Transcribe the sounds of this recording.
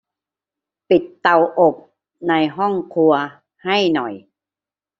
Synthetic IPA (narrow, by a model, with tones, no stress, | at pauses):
pi˨˩t̪ːa˧wʔo˨˩p̚ | na˧jɦɔ˥˩ŋkʰu˧ɐ | ha˥˩jnɔ˨˩j